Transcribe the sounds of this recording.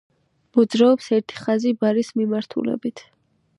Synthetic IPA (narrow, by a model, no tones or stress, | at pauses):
mɔd̪zɾaɔpsɛɾt̪ʰi̥χazibaɾismimaɾt̪ʰṵlɛ̰bit̪ʰ